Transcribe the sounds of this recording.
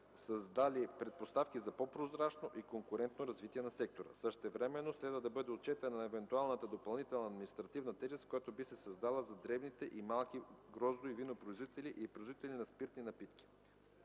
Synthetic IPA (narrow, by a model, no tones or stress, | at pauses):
sɐzd̪alipɾɛt̪̚post̪afkizɐpopɾozɾat͡ʃnoʔikoŋkʊɾɛnt̪noɾɐzvit̪iɛnɐsɛk̚t̪oɾə̰sɤʃt̪ɛvɾɛmɛnːoslɛd̪vəd̪ɐbɤd̪ɛot̪̚t͡ʃɛt̪ənɐɛvɛnt̪ualˠnət̪əd̪opɐlˠnit̪ɛlˠnɐd̪minist̪ɾɐt̪ivnɐt̪ɛʒɛst̪kojat̪obisɛsɐzd̪alˠəzɐd̪ɾɛbnit̪ɛʔimalˠkiɡɾɔzd̪oivinopɾoizvit̪ɛliʔipɾoizvit̪ɛlʲinɐspiɾt̪ninɐpit̪kʲi̥ | i